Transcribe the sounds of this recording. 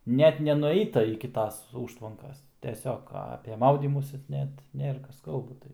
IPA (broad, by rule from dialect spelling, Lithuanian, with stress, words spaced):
ˈnʲɛt ˈnʲæːnʊˈɛɪtɐ ɪkʲɪ ˈtɐs ˈuːʃtʋɐŋkɐs tʲɛˈsʲoːk ɐpʲɛ ˈmɐʊdʲiːmuːsʲɪ ˈnʲɛt ˈnʲeːrɐ ˈkɐs ˈkɐlˠbɐ